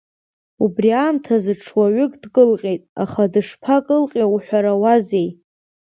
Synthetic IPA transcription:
ubriaːmtʰazɨʈ͡ʂʰwaɥʏkʼdkʼɨlqʲʼejtʼaχadɨʂpʰakʼɨlqʼeuħʷᶣaɾawaze̞j

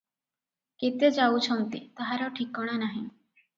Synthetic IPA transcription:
kit̪ed͡ʒawt͡ʃʰɔnt̪it̪aɦaɾɔʈʰikːɔɽ̃anaɦĩ

